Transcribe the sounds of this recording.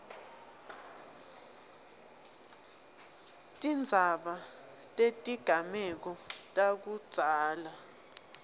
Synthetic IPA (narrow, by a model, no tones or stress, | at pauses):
tʼind͡zʱaɓa | tʼetʼiɡ̥ʱamɛk̬ɔtʼak̬ud̥z̥ʱaːla